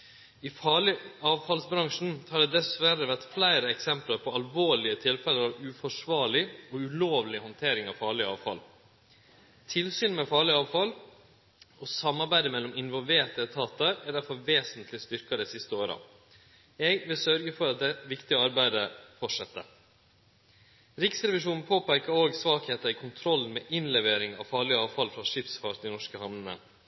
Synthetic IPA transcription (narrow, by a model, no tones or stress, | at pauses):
ɪfɑɭɪɑːʋfɑlsbɾɑŋʂn̩hɑɖɛd̪ɛsʋæɾəʋæɾt̪flæɪɾəɛksɛmplɑɾpʰɔɑlʋoːɭɪət̪ʰɪlfɛləɾɑʋʉfɔʂʋɑːɭɪɔʉloːʋlɪhɔnt̪ʰeːɾɪŋɑʋfɑːɭɪɑ̰ːʋfɑ̰l | t̪ʰɪlsyːnmɛfɑːɭɪɑːʋfɑl | ɔsɑmːɑɾbæɪd̪əmɛlːɔmɪnʋɔlʋeːɾt̪ɛt̪ʰɑːt̪əæɖ̪æɾfɑlʋeːsənt̪ʰlɪst̪ʏɾkɑd̪ɛɪsɪst̪əoːɾə̰ | ɛɡʋɪlsœɾɡəfɔɾɑt̪̚d̪ɛʋɪkt̪ɪəɑɾbæɪd̪əfɔʈʂɛt̪ːə̰ | ɾɪksɾɛʋɪʂuːnn̩pʰoːpæɾkəɾoːɡsʋɑːkheːt̪əɪkʰʊnt̪ʰɾɔln̩mɛʔɪnlɛʋeːɾɪŋɑ̰ʋfɑːɭɪəɑːʋfɑlfɾɑʂɪpsfɑɾd̪ɪnɔʂkəhɑʋnənə̰